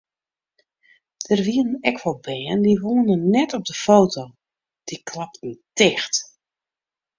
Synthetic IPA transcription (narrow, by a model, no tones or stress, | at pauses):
d̥ərʋiəənɛkʋɔlˠbɛːəndiʋoənənnɛtɔb̚dəfoːwtʰoː | d̥ikʰlap̚tn̩tɪxt